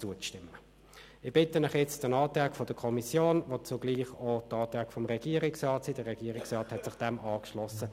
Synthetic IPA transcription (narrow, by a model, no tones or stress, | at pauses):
t͡suət͡sʃtɪmːə | ɪb̥ɪtənɪχjɛt͡std̥ənɑːtʁɛːkfod̥əkʰɔmisjoːnvot͡suɡ̥liːχotɑːt̪ʁɛkfɔmʁɛɡ̥iːəʁɪksʁɑːtsiːdəʁɛɡ̥iːəʁɪksʁɑːthɛtsɪχd̥ɛmʔɑːkʃlɔsə